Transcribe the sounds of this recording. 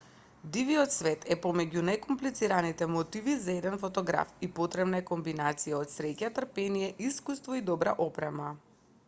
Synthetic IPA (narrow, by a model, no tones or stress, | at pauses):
d̪iviɔt̪svɛt̪ʰɛpɔmɛɟunajkɔmplit̪siɾanit̪ɛmɔt̪ivizaɛd̪ɛnfɔt̪ɔɡɾa̰fipɔt̪ɾɛbnaɛkɔmbinat̪sijaɔt̪sɾɛcat̪r̩pɛnijɛʔiskust̪vɔid̪ɔbɾaʔɔpɾɛma